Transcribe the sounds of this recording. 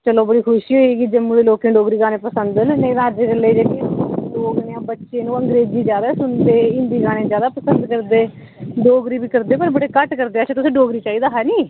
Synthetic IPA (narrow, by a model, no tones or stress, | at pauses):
t͡ʃəloːbəɽiːkʰʊʃiːɦoːiːɡiːd͡ʒəmuɽeːloːkẽːɖoːɡɾiːɡaːnẽːpəsənd̪nːned̪ãːəd͡ʒeɡəlːeːd͡ʒeːɽiɖoːɡneãːbətːʃeːnũːəŋɡɾeːd͡ʒiːd͡ʒjaːd̪aːsʊnd̪eːɪ̃nd̪iːɡaːnẽːd͡ʒjaːd̪aːpəsənd̪kəɾd̪eː | ɖoːɡɾiːbiːkəɾd̪eːpəɾbəɽeːkəʈkəɾd̪eːət͡ʃʰãːt̪ʊsĩːɖoːɡɾiːt͡ʃaːiːd̪aːɦɛːnĩː